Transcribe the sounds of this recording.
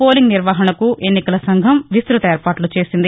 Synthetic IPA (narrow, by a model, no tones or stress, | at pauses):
poːliŋɡniɾʋaːɦɐnɐkuʔe̞nːikɐlɐsɐŋɡʱɐmʋisɾut̪ɐeːɾpaːʈlut͡ʃe̞ːsind̪i